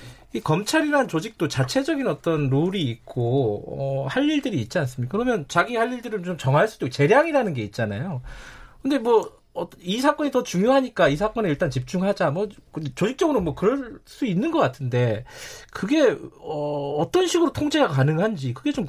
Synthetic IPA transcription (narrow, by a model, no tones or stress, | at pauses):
ikʌmt͡ɕʰaɾiɾant͡ɕod͡ʑik̚t͈ot͡ɕat͡ɕʰe̞d͡ʑʌɡinʌt͈ʌnɾoɾiːk̚k͈oʌhaʎːiɭdɯɾiːt̚t͡ɕ͈ians͈ɯmɲiakɯɾʌmjʌnt͡ɕaɡihaʎːiɭdɯɾɯnt͡ɕomt͡ɕʌŋaɭs͈udoikt͡ɕe̞ɾjaŋiɾanɯnɡe̞it̚t͡ɕ͈ana̰jokɯnde̞mwʌ | ʌisʰak͈ʌɲitʌt͡ɕuŋjoɦaɲik͈aisʰak͈ʌneiɭt͈ant͡ɕip̚t͡ɕ͈uŋɦad͡ʑamwʌkt͡ɕod͡ʑik̚t͡ɕ͈ʌɡɯɾomwʌkɯɾʌs͈uinːɯnɡʌk͈atʰɯnde̞kɯɡe̞ʌːt͈ʌnɕʰiɡɯɾotʰoŋd͡ʑeakanɯŋɦand͡ʑikɯɡe̞t͡ɕom